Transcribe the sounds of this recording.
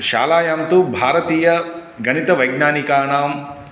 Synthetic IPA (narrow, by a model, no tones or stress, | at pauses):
ʃa̰ːlaːjaːmt̪ubʱaːɾɐt̪iːjɐ | ɡɐnit̪ɐʋɐjɡnaːnikaːɳaːm